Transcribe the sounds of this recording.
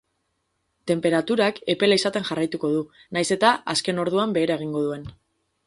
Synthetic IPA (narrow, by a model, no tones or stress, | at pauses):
t̪e̞mpe̞ɾat̪uɾake̞pe̞laisat̪e̞nʝarajt̪uko̞ðu | najse̞t̪aaske̞no̞ɾðuambe̞ːɾae̞ɣ̞iŋɡo̞ð̞ue̞n